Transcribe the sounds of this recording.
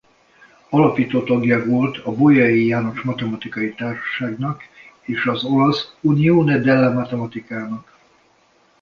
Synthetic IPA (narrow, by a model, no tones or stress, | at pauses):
ɒlɒpiːt̪oːt̪ɒɡjɒʋolt̪ʰɒbojɒjijaːno̞ʃmɒt̪ɛmɒt̪ikɒjit̪aːrʃɒ̥ʃaːɡnɒk | eːʃɒzo̞lɒsunioːnɛd̪ɛlːɛmɒt̪ɛmɒt̪ikaːnɒk